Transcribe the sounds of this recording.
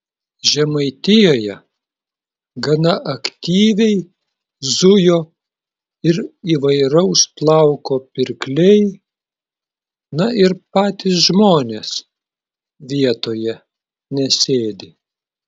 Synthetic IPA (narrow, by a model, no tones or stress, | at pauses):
ʒʲɛmɐɪt̪ʲɪjoːjɛ | ɡɐnɐʔɐkt̪ʲiːʋʲɛɪ | zʊjoː | ɪɾiːʋɐɪɾɐʊsplˠɑˑʊkoːpʲɪɾʲklʲɛɪ | nɐɪɾpɑːt̪ʲiːs̬ʒmoːnʲeːs | ʋʲiɛt̪oːjɛ | nʲɛsʲeːd̪ʲɪ